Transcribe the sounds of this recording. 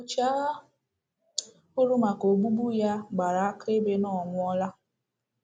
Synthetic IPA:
o˨t͡ʃa˦ɣa˦ | ʊ˦ɾu˦ma˨ko˨ɡ͡bu˦ɡ͡bu˦ja˦ɡ͡ba˨ɾa˨a˦ke˦be˦nɔ˨ŋʷʊ˦ɔ˦la˦

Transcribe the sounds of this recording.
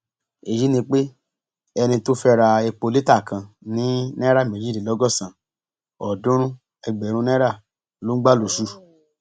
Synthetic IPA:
e˨ji˨˦nĩ˧k͡pe˦ | ɛ˧nĩ˧to˦fɛ˦ɾa˧e˧k͡po˧li˦ta˦˨kã˧ | nĩ˨˦nɛ˦ɾa˦˨mẽ˨d͡ʒi˦˨i˨lɔ˨˦ɡɔ˦˨sã˨ | ɔ˨dũ˦ɾ̃ũ˦ | ɛ˧ɡ͡bɛ˨˦ɾ̃ũ˧˦nɛ̃˦ɾa˦˨ | lo˨˦ɡ͡ba˦˨lo˨ʃu˧˦

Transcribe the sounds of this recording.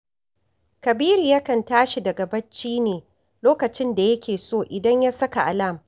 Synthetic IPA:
kɐ˨biː˦ɾi˨jɐ˦kɐ˨ntaː˦ʃi˨dɐ˨ɡɐ˨bɐ˦t͡ʃːiː˦neː˨ | loː˦kɐ˨t͡ʃɪ˦nda˨jɐ˦kʲʰeː˨soː˦˨ʔɪ˨dɐ˦ɲja˦sɐ˦ka˨ʔa˨lɐ˦˨m

